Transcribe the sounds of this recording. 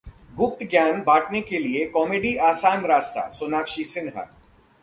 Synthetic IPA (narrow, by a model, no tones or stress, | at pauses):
ɡʊp̚t̪ɡjaːnbaːʈnekeliekɔːmeːɖiaːsaːnɾaːst̪a̰soːnaːkʃisɪ̃nɦa̰